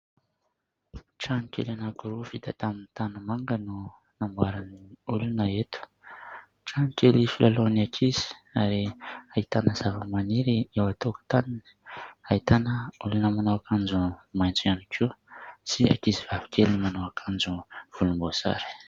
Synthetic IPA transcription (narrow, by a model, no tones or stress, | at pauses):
ʈ͡ʂanikʲḛlanakuɾufid̪at̪aminit̪anumaŋɡənu | nambwaɾaniulunəet̪u̥ | ʈ͡ʂanikʲelifilaloniakʰiz̥i̥aɾeait̪anəzavəmaniɾiewat̪oku̥t̪anini̥ait̪anəulunəmanowakand͡zumajnt͡suanikʰisia̰kizivavi̥kʰelimanowakʰand͡zuv̥ulumbosa̰ɾi̥